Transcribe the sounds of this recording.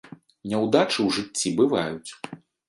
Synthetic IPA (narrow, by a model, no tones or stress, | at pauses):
nʲɛwd̪at͡ʂɨwʐɨt͡st͡sʲːibɨvajut͡sʲ